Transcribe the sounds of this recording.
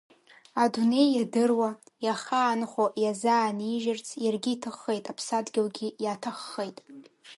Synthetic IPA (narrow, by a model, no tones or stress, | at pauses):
adune̞jːadɨrwajaχaːnχʷojazaːniʒɪrt͡sʰjarɡʲiːtʰɨχːejtʼapʰsadɡʲɪlɡʲijaːtʰaχːejtʼ